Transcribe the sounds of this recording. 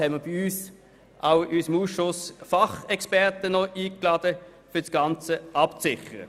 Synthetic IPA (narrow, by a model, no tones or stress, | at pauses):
hɛnməb̥iyːs | ʔaʊysəmuːsʃʊsfɑχɛkspɛʁt̪ənɔʔiːklɑːd̥ə | fʏɐsɡ̥ɑnt͡səɑpt͡sɪχəʁə̰